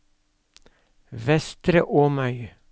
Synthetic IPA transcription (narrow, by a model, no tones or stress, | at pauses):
ʋɛst̪ɾəʔoːmœʏ